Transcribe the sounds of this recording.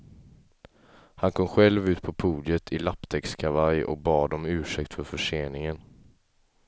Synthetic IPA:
hankʰɔmɧɛlvʉ̟ːt̪pʰɔpʰuːd̪ɪət̪ʰɪlapːd̪ʰɛkskʰavajɔ̰k̚bɑːd̪ɔmʉ̟ːʂɛkt̪fœɾfœʂeːnɪŋən

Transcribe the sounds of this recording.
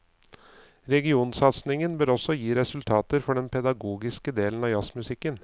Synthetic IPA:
ɾɛɡɪuːnsɑt̪snɪŋənbøːɾɔsɔjiːɾɛsʉlt̪ʰɑːt̪əɾfɔɖɛnpʰɛd̪ɑɡuːɡɪskəd̪eːlən̩ɑːjɑsmʉsɪkːən

